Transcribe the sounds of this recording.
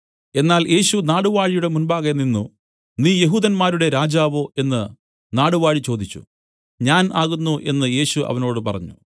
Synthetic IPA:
e̞nːaːlje̞ːɕunaːɽuʋaːɻijuɽe̞munbaːɣɐninːu | niːje̞ɦuːd̪ɐnmaːɾuɽe̞ɾaːd͡ʑaːʋoːʔe̞nːɨ | naːɽuʋaːɻit͡ɕo̞ːd̪it͡ɕːṵ | ɲaːnaːɣunːuʔe̞nːɨje̞ːɕuʔɐ̰ʋɐno̞ːɽɨpɐrɐ̰ɲːṵ

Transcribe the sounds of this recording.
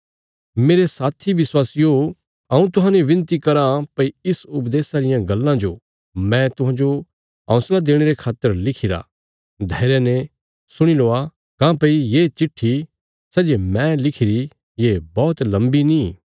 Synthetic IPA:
meːɾesaːt̪ʰiʋɪswaːsjo | ɐũt̪ʊɦãːneʋɪ̃nt̪ikɐɾãpɐiɪsʊpd̪eːsaɾɪjãɡɐlːãd͡ʒo | mɛ̃t̪ʊɦãːd͡ʒo | ɦɐ̰̃ːslad̪eːɽ̃eɾekʰaːt̪ːəɾlɪkʰɪɾa̰ | d̪ʱɐːɾjenẽ | sʊɽ̃iloːa | kãːpɐijet͡ʃɪʈʰːi | sɛːd͡ʒemɛ̃lɪkʰɪɾi | jebɔːt̪lɐ̃mbini

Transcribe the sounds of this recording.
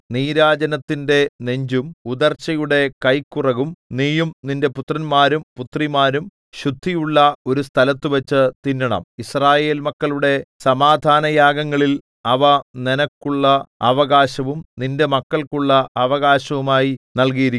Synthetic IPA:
niːɾaːd͡ʑɐnɐt̪ːinde̞ne̞ɲd͡ʑumud̪ɐrt͡ɕːɐjuɽe̞kɐjkːurɐɣumniːjumninde̞put̪rɐnmaːɾumput̪rimaːɾum | ɕud̪ʱːijuɭːɐo̞ɾus̬t̪ʰɐlɐt̪ːɨʋɐt͡ɕːɨt̪inːɐɳɐ̰misraːje̞ːlmɐkːɐɭuɽe̞sɐmaːd̪ʱaːnɐjaːɡɐŋːɐɭil | ɐʋɐnenɐkːuɭːɐɐʋɐɣaːɕɐʋumninde̞mɐkːɐɭkuɭːɐʔɐʋɐɣaːɕɐʋumaːjinɐɭk̬ijiɾi

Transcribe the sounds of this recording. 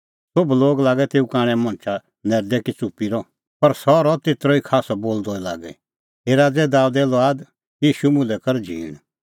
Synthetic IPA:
sobloːɡlaːɡɛt̪eːukãːɽ̃ɛ̃mɔ̃ːnt͡ʃʰa | nɛɾd̪ɛkit͡supːiɾɔ | pɐɾsɔɾɔt̪eːt̪ɾɔikʰaːsɔboːld̪ɔila̰ːɡɛ̰ | eːɾad͡zɛd̪aːud̪ɛːlɔaːd̪ | jiːʃumʊ̃lɛkɐɾd͡ʒʱḭːɽ̃

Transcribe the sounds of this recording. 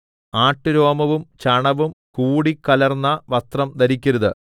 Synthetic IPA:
aːʈːɨɾo̞ːmɐʋumt͡ɕɐɳɐʋumkuːɽikːɐlɐrnːɐʋɐst̪rɐmd̪ɐɾikʲːɐɾɐðɨ

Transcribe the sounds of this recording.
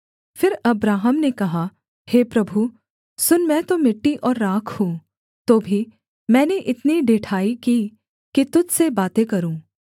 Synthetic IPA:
fɪɾɐbɾaːɦəmnekɐɦa | heːpɾɐbʱu | sʊnmɛ̃t̪omɪʈːiʔɔːɾːaːkʰhũː | t̪oːbʱi | mɛ̃ːneʔɪt̪niɖʱeːʈʰaːikiː | kit̪ʊd͡ʒsebaːt̪ekɐɾũː

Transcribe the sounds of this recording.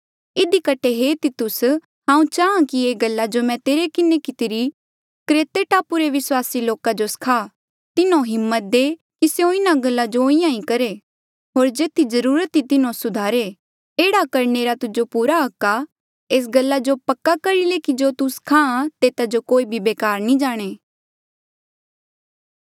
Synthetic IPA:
ɪd̪ikəʈʰeɦet̪ɪt̪ʊs | ɦãːũt͡ʃaːãkieːɡɐlːad͡ʒomɛ̃t̪eːɾekɪnekɪt̪ɪɾi | kɾeːt̪eʈaːpuɾeʋɪswaːsiloːkad͡ʒoskʰaː | t̪ɪnõɦɪmːət̪̚d̪eː | kiseõɪnaɡɐlːad͡ʒoĩjãĩkɐɾe | ɦoːɾd͡ʒeːt̪ʰid͡ʒɐɾuːɾət̪it̪ɪnõsʊd̪ʱaːɾe | eːɽakɐɾneːɾat̪ʊd͡ʒopuːɾaɦɐkːa | eːs̬ɡɐlːad͡ʒopɐkːakɐɾilekid͡ʒoːt̪uskʰããt̪eːt̪ad͡ʒokoːibʱibeːkaːɾnĩd͡ʒaːɽ̃eː

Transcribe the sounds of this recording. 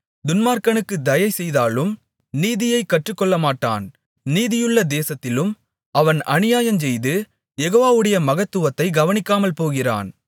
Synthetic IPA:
d̪ʊnmaːɾkɐnɯkːɯd̪ɐjɐɪsɛjðaːlɯm | niːðɪjɐɪkːɐʈrɯkːɔɭːɐmaːʈːa̰ːn | niːðɪjɯɭːɐd̪eːsɐt̪ːɪlɯm | ɐʋɐnɐ̰nɪjaːjɐmd͡ʒɛjðɯ | jɛɣoːʋaːʋɯɽɐjɐmɐɣɐt̪ːɯʋɐt̪ːɐɪɡɐʋɐnɪkːaːmɐlpoːɣɪra̰ːn

